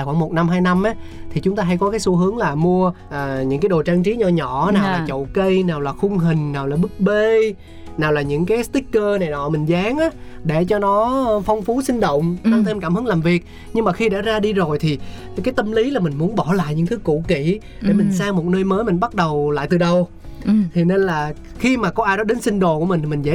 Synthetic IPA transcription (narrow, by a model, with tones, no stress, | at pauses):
xwaː˧˩ŋmo˨˩t̚na˧mɦaː˧jna˧mʔaː˨˦t̪ʰi˨˩t͡ɕʊ˨˦ŋ͡mt̪aː˧ɦa˧jkɔ˨˦kaː˨˦jso˧˦ɦɨ˨˦əŋlaː˨˩mu˧ə | ʔəː˨˩ɲɨ̰˧˥ŋkaː˨˦jɗo˨˩t͡ɕaː˧ŋt͡ɕi˨˦ɲɔ˧˩ɲɔ˧˩naː˨˩wwlaː˨˩t͡ɕə̰˧˨wkə˧jnaː˨˩wlaː˨˩xʊ˧ŋ͡mɦï˨˩ŋ̟naː˨˩wlaː˨˩ɓɨ˦˥k̚ɓe˧ | naː˨˩wlaː˨˩ɲɨ̰˧˥ŋkaː˨˦jst̪ï˦˥k̚kːəː˧na˨˩jɗɔ˨˦mï˨˩ŋ̟zaː˨˦ŋʔaː˨˦ | ɗe˧˩t͡ɕɔ˧nɔ˨˦fɔ˧wŋ͡mfu˨˦sï˧ŋ̟ɗo̰˧˨wŋ͡mt̪a˧ŋt̪ʰe˧mkaː˧˩mhɨ˨˦ŋlaː˨˩mvi˨˩ək̚ | ɲɨ˧ŋmaː˨˩xi˧ɗa̰ː˧˥zaː˧ɗi˧zo˨˩jt̪ʰi˨˩ | kaː˨˦jt̪ə˧mli˨˦laː˨˩mï˨˩ŋ̟mu˨˦ənɓɔ˧˩la̰ː˧˨jɲɨ̰˧˥ŋt̪ʰɨ˨˦kṵ˧˩kḭ˧˨ | ɗe˧˩mï˨˩ŋ̟saː˧mo˨˩t̚nəː˧jməː˨˦jmï̟˨˩ɓa˦˥t̚ɗə˨˩wla̰ː˧˨jt̪ɨ˨˩ɗə˨˩w | t̪ʰi˨˩ne˧nlaː˨˩ | xi˧maː˨˩kɔ˨˦ʔaː˧jɗɔ˨˦ɗe˨˦nsï˧ŋ̟ɗo˨ku˧˩mï̟˨˩t̪i˨˩mï˨˩ŋzə̰˧˥